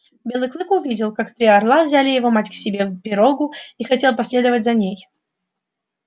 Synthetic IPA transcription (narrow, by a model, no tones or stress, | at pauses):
bʲe̞lˠɨklˠɨkʊvʲidʲɪlˠkakt̪ɾʲɪɐrlˠavzʲalʲɪjɪvo̞matʲksʲɪbʲe̞vpʲɪɾo̞ɡʊixɐtʲe̞lˠpɐsʲlʲe̞d̪əvətʲzɐnʲej